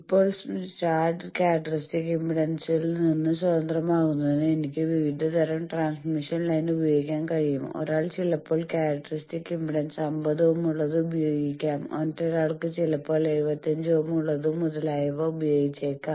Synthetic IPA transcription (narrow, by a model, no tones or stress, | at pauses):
ipːo̞ːɭt͡ɕaːrɖkʲaːɾɐʈːrisʈikimbiɽɐnsilninːɨswɐd̪ɐnd̪rɐmaːɣunːɐðenːɨenikʲːɨʋiʋid̪ʱːɐt̪ɐɾɐmʈraːnsmiʂɐnlɐjnubɐjoːɡikʲːaːnkɐɻijumo̞̰ɾaːɭt͡ɕilːɐpːo̞ːɭkaːɾɐʈːɐrisʈikːimbiɽɐnsɐmbɐðoʋumuɭːɐðɨubɐjo̞ːɡikʲːaːmo̰ntːeɾaːɭkɨt͡ɕilɐpːo̞ːɭe̞ɻubɐt̪ːɐɲd͡ʑoːmuɭːɐðumːuðɐlaːjɐʋoubɐjoːɡit͡ɕːekkːaːm